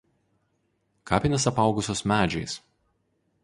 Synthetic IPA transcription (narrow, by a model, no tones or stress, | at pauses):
kɑːpʲɪnʲesɐpɑˑʊɡʊsʲoːsmʲæːd͡ʒʲɛɪs